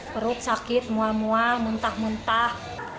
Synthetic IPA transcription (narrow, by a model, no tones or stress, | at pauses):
ɾʊt̪̚sakɪt̪̚muamuamunt̪ahmunt̪ah